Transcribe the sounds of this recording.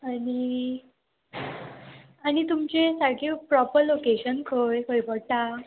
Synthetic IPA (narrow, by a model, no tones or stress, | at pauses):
ani | añit̪umt͡ɕesakepɾɔpəɾlokeɕənkʰojkʰojpəɽt̪a